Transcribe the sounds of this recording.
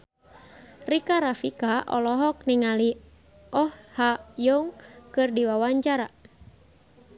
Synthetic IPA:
rikaɾafikaʔɔ̰lɔɦɔk̚niŋali | ɔhhajɔŋkɨrdiwawaɲt͡ʃaɾa

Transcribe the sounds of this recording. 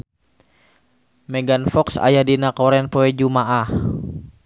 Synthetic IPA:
mɛɡanfɔksa̰jadinakɔɾɛnpɔɛd͡ʒumaʔah

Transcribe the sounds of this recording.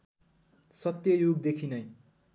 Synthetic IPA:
sʌt̪jʌjuɡd̪ekʰinʌj

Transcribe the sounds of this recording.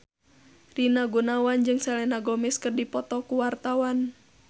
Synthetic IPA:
rinaɡunawand͡ʒɨŋsɛlɛnaɡɔmɪskɨrdipɔt̪ɔkuwart̪awan

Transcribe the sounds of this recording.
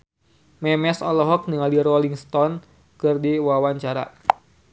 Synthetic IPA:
mɛmɛsɔlɔɦɔk̚niŋaliɾɔliŋst̪ɔn | kɨrdiwawaɲt͡ʃaɾa̰

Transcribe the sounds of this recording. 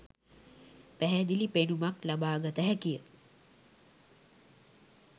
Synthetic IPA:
pæɦæd̪ilipenumaklabaːɡət̪əɦækijə

